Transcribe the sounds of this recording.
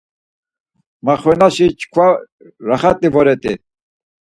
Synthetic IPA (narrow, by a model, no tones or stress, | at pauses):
maχwɛnaʃit͡ʃʰkʰwa | ɾaχat̪ʼivɔɾɛt̪ʼi